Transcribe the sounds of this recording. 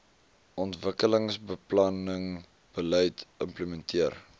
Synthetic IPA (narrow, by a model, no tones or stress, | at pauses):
ɔntvəkələŋsbəplɐnəŋ | b̥ələjtəmpləmɛntʰiər